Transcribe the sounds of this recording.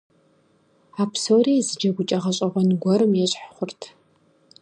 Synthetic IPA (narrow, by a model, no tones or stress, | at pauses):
aːpʰsoːreːzɨd͡ʒɐɡʷʊt͡ʃʼɐʁɐɕʼɐʁʷɔnɡʷɔɾɨmjɛɕʼħχʷʊrtʰ